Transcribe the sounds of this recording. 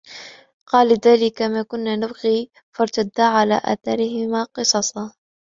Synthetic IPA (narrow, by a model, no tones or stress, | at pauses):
qɑːlːɪðaːlɪkamaːkʊnːaːnabɣiː | fɑɾˤt̪ad̪ːaːʕala̰ːʔa̰θɑɾɪhɪmaːqɨsˤɑsˤɑ